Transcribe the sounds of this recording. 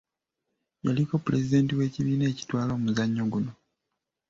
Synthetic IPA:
jaliko̞pule̞zide̞ːntiwe̞ːciβiːne̞ːci̥twaːlo̞ːmuzaɲːo̞ɡuno̞

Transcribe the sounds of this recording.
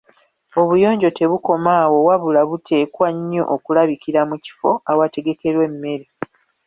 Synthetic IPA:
o̞βujo̞ːɲɟo̞te̞βuko̞maːwo̞waβulaβutʰe̞ːkwaɲːo̰ʔokulaβikiɾamuci̥fo̞awate̞ɡe̞ke̞ɾwe̞mːe̞ɾe

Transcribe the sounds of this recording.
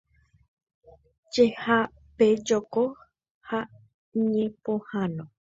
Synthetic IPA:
t͡ʃeha | ped͡ʒoko | ha | ɲẽpõhãnõ

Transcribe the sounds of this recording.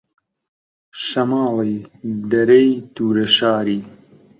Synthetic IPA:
ʃɐmaːlejd̪ɐɾɐjt̪uːɾɐʃaːɾiː

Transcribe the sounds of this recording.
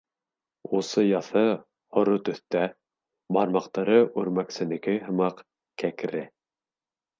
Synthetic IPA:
usɤjɑθɤ | hŏɾot̪ɵ̆θt̪æ | bɑɾmɑqt̪ɑɾɤʔʉɾmæksɘ̆nɘ̆kɘɦɤ̆mɑq | kækɾɘ

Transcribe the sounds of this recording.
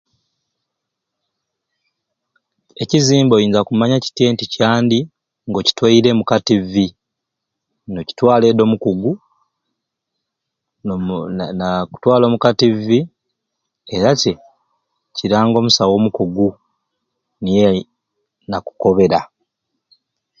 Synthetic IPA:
e̞ciziːmbo̞jiːnzakumaɲaci̥tje̞ːnticaːndi | ŋɡo̞ci̥twaiɾe̞mukativːi | no̞ci̥twaːle̞do̞ːmukuɡu | naku̥twaːlo̞ːmukativi | e̞ɾace̞ | ciɾaːŋɡo̞musawo̞ːmukuɡu | nije | naku̥ko̞βe̞ɾa

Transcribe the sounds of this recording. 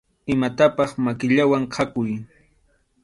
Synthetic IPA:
ɪmat̪apɑχmakɪʎawaŋqʰakʊj

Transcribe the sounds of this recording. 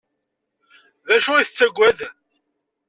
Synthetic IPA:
ðæʃuiθt͡sːæɡʷːæð

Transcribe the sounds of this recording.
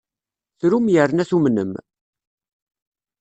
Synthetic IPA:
θɾumjəɾnæθumnə̰m

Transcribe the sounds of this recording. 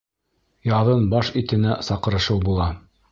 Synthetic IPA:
jɑðɤnbɑʃit̪ɘ̆næsɑqɤ̆ɾɤ̆ʃɤwbulˠɑ

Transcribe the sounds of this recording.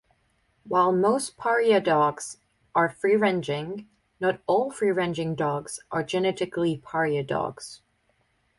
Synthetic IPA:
waɪlˠmoʊspʰɑɹiɨdɔɡz̥ | ʔə˞fɹiɹɛ̃nd͡ʒɪ̃ŋ | nəɾɔlˠfɹiɹɛ̃nd͡ʒɪ̃ŋdɔɡz̥ʔə˞d͡ʒɨnɛɾɨklipʰɑɹiɨdɔ̰ɡz̥

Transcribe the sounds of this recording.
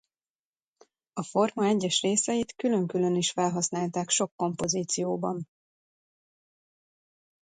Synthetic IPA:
ɒfo̞rmɒɛɟːɛʃreːsɛjit̪kylø̞ŋkylø̞niʃfɛlɦɒsnaːlt̪aːkʃo̞kːo̞mpo̞ziːt̪sijoːbɒn

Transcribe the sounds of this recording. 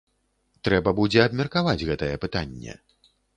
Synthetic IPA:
t̪ɾɛbɐbud͡zʲɛɐbmʲɛrkavad͡zʲɣɛt̪ɐjɛpɨt̪anʲːɛ̰

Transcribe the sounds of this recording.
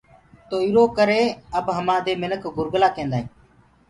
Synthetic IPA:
t̪oːiːɾoːkəɾeːəbɦəmãːd̪eːmɪnəkɡʊɾɡlaːkẽːnd̪aːɦĩː

